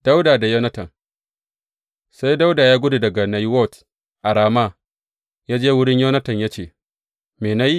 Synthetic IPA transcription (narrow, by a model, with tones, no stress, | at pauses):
d̥a˦wdaː˨da˨jɐ˦nɐ˦tɐ˨ŋ | sa˦jda˦wdaː˨jaː˦ɡʷʊ˦du˨dɐ˨ɡa˨na˨jwɔ˦˨t | ʔa˨ɽaː˨ma˦ | jaː˦d͡ʒeː˦wʊ˦ɽɪ˦ɲjoː˦nɐ˦tɐ˨ɲjaː˦t͡ʃeː˨ | meː˨na˦ji˦